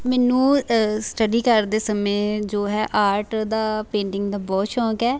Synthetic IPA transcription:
mɛːnũːsʈəɖiːkəɾd̪eːsəmẽːd͡ʒoːɦɛːʔaːɾʈd̪aːpẽːɳʈɪŋɡd̪aːbɔːt̪ʃɔ̃ːkɛː

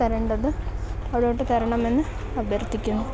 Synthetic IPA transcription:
ɐɾeɳɖɐðɨɐʋiɽejoʈːɨt̪ɐɾɐɳɐme̞nːɨ | ɐbʱjɐrt̪ːikʲːunːu

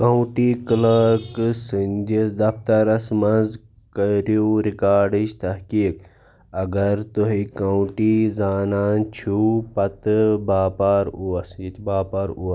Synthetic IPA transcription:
kɐwʈiːkləksɨnʲd͡ʒisd̪ɐft̪ɐɾɐsmɐnz | kɐɾuɾikaːɾɖiʃt̪ɐhkiːk | ɐɡɐɾt̪uɦikɐwʈizaːnaːnt͡ʃʰuːpɐt̪ɨbaːpaːɾuɐsjit̪ʰbaːpaːɾuː

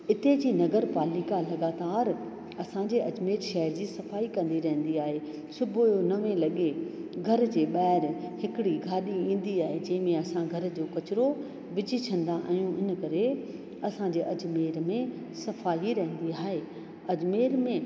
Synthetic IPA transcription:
ɪt̪ed͡ʑiːnɐɡəɾpaːlɪkalɐɡaːt̪aːɾ | ɐsãɲd͡ʑeːɐd͡ʑmeːɾʃɛɦəɾd͡ʑiːsɐfaːikɐ̃nd̪iɾɐ̃ɦə̃nd̪iaːɦe | sʊbʱjonɐʋẽlɐɠeɡʱɐɾd͡ʑeːɓaːɪɾhɪkɪɽiɡʱaːɗiĩːn̆d̪iaːɦed͡ʑɐ̃ɦɪ̃mẽɐsãɡʱɐɾd͡ʑoːkɐt͡ɕɾo | ʋɪd͡ʑit͡ɕʰɐ̃nd̪aʔɐ̰̃jũʔɪnkɐɾe | ɐsãɲd͡ʑeːʔɐd͡ʑmeːɾmẽ | sɐfaːɦiɾɐɦə̃n̆d̪iaːɦeː | ɐd͡ʑmeːɾmẽ

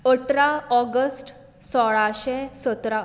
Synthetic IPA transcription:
əʈɾaɔɡəsʈ | sɔɭaɕɛ̃sət̪ɾa

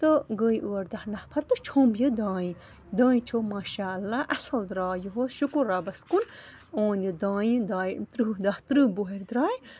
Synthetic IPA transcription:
t̪ɨɡəːjʔuːɐɾd̪ɐhnɐhpʰɐɾt̪ɨt͡ʃʰoːmbjɨd̪ãːĩ | d̪ãːĩt͡ʃʰoːmaːʃaːɐlːaːʔɐsɐld̪ɾaːjuɦoʃukuɾːaːbɐskun | oːnjɨd̪ãːjd̪aːjt̪ɾɨd̪ɐht̪ɾɨboɦeɾd̪ɾaːj

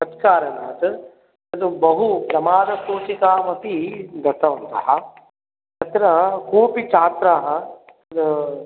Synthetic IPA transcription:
ɐt̪kaːɾɐnaːt̪ | ɐd̪ubɐɦupɾɐmaːd̪ɐkoːt͡ʃikaːmɐt̪id̪ɐt̪ɐɦunt̪aɦa | t̪ɐt̪ɾɐkʰuːpit͡ʃʰaːt̪ɾaɦɐ

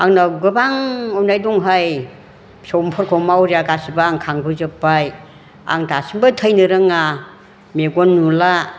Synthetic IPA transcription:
aŋnaɡɯbaŋɔwnajduŋɦaj | sowmpʰɔɾkʰɔmawɾijaɡasibaːŋkʰaŋbɯzɯpːaj | a̰ŋdasimbatʰəjnɯɾɯŋa | meɡonːula

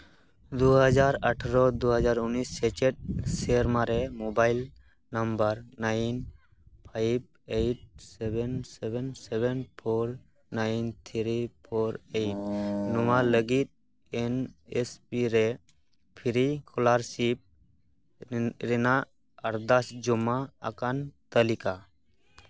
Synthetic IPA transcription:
d̪uɦəd͡ʒaɾaʈʰɾɔd̪uɦəd͡ʒaɾunisːɛt͡ʃet̚seɾmaɾɛmobajl | nambəɾnajn | pʰajb̚ | ejʈ̚sebɛnsebɛnsebenpʰoɾ | najnt̪ʰiɾipʰoɾejʈ̚numaləɡit̪̚ | enespiɾe | pʰiɾikʰɔlaɾsip̚ | ɾena | əɾd̪asd͡ʒumːa̰ːkant̪əlika

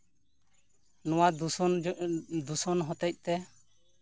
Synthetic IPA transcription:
nɔwa | d̪usɔnɦɔt̪ɛc̚t̪ɛ

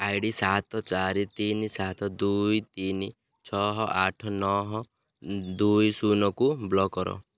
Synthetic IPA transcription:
ajɖisat̪ʰɔt͡ʃaɾit̪inisat̪ʰɔd̪ujt̪ini | t͡ʃʰɔɦɔʔaʈʰɔnɔɦɔ | d̪ujsunɔkublɔkɔɾɔ̰

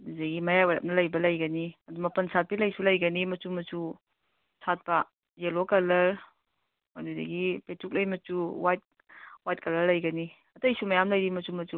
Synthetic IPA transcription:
dizeɡimɐjaweɾɐ̰p̚nɐlɐjbɐlɐjɡɐniɐdumɐpɐnsʰat̚pilɐjsulɐjɡɐnimɐt͡ʃumɐt͡ʃu | sat̚pɐ | zelokɐlɐɾ | ojnada̰ɡipetʰuk̚lɐjmɐtuwajt̚ | wajt̚kɐlɐɾlɐjɡɐni | ɐtɐjsumɐjamlɐjdimɐt͡ʃumɐtu

